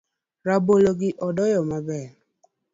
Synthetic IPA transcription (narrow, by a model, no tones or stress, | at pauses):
ɾaboloɡɪʔɔdɔjɔmabɛ